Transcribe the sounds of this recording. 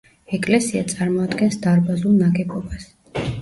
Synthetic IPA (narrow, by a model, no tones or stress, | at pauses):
ɛkʼlɛsiat̪sʼaɾmɔad̪ɡɛnsd̪aɾbazulˠnaɡɛbɔbas